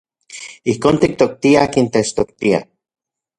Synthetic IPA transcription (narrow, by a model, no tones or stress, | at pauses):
ihkoːnt̪ik̚t̪ok̚t̪iaakint̪et͡ʃt̪ok̚t̪ia̰